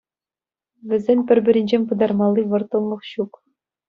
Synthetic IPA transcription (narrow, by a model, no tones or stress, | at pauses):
ʋʲɘ̆zʲenʲpʲɘ̆rʲbʲɘ̆ɾʲɘ̆nʲd͡ʑenʲpɯd̪ɑrmɑlˠːiʋɤ̆rt̪ɤ̆lˠlˠɤ̆χɕuk